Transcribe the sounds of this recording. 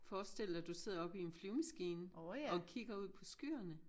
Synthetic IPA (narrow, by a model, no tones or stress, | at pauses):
fɒːsd̥e̝l̰ɐd̥use̝ð̰ˠɐɒ̽b̥ie̝nfliʊmæsɡ̥iːnɒ̽kʰiɡ̥ɐuð̞̰ˠpʰɒ̽sɡ̥y̰ːɐnə